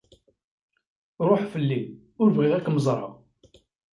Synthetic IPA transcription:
ɾˤoħfəlːi | ʊɾvʁɪʁækːməzˤɾˤɑ̰

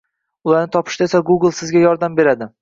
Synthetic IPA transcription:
ʊlˠaɾnɪt̪ʰɒpʰɪ̥ʃt̪aesaɡuɡlˠsɪzɡʲajɒɾd̪ambe̞ɾad̪ɪ

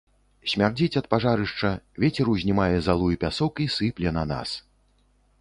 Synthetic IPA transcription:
sʲmʲard͡zʲit͡sʲɐt̪̚paʐaɾɨʂt͡ʂɐvʲet͡sʲɛɾuwzʲnʲimajɛzalˠujipʲasɔkisɨplʲɛnɐna̰s

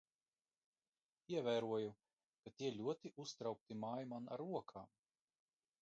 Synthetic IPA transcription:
iɛvæːɾuɔju | kat̪iɛlʲuɔt̪iʔust̪ɾawk̚t̪imaːjmana̰ɾːuɔkʰaːm

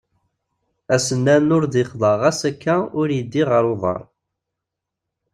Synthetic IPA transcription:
æsənːænʊɾd̪iχðˤɑʁæsækːæʊɾjəd̪ːiʁəɾˤoðˤɑ̰ɾˤ

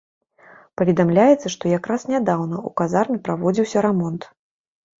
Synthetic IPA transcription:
pɐvʲɛd̪amlʲajɛt̪sːɐʂt̪ɔjakɾasnʲad̪awnɐukazarmʲipɾavɔd͡zʲiwsʲɐɾamɔnt̪

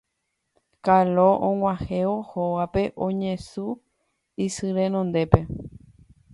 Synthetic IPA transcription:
kaloʔõŋʷãheohoʋape̞ʔõɲẽsu | isɨɾẽ̞nõnd̪e̞pe̞

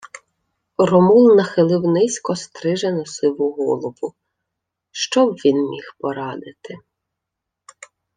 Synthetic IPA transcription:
rɔmulˠnɐxɪlˠɪwnɪsʲkɔst̪ɾɪʒenʊsɪwʊɦɔ̰lˠɔʋʊ | ʃt͡ʃɔbʋʲinmʲixpɔɾɑd̪ɪt̪ɪ

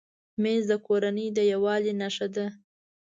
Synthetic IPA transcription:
mezd̪əkoɾanəjd̪əjawɑlenaʂad̪a

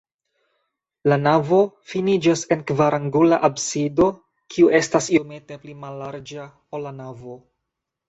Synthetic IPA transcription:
lanavo̞ | finid͡ʒase̞nkvaɾʔaŋɡulaʔabsido̞ | kʰiuʔe̞stasiome̞te̞plimalːaɾd͡ʒa | olːanavo̞

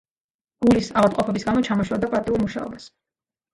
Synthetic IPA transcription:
ɡ̥ulisaʁlat̪ʼqʼɔpʰɛbisɡamɔt͡ʃʰamɔʃɛd̪apʼat̪ʼiulˠmuʃa̰ɔ̰bas

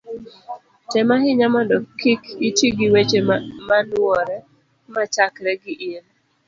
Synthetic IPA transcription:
tɛmaɦɪɲamɔndɔkikitiɡiwet͡ʃemanwɔɾɛ | mat͡ʃakɾɛɡɪʔɪn

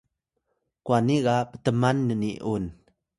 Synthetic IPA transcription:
kwaniɣapə̥təmanːəniʔun

